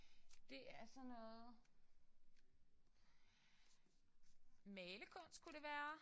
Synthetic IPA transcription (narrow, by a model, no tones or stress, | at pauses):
d̥e̝æɐsɒ̽nːɔ̽ːð̩ˠ | mɛːləkʰɔ̽n̰sd̥̚kʰuɾ̥e̝ʋæːɐ